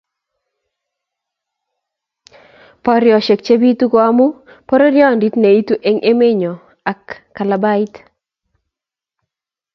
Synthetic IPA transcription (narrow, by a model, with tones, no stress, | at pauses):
pɔ˦ɾjɔ˨ʃe˨k̚t͡ʃe˦bi˦tu˦ko˦a˦mʊ˦ | pɔ˦ɾo˦ɾjɔ˦˨ndi˦t̪ne˨i˦tu˦ʔe˦ŋʔe˦me˦ɲɔ˨ | a˨kːa˨la˨ba˦ɪ˦t̪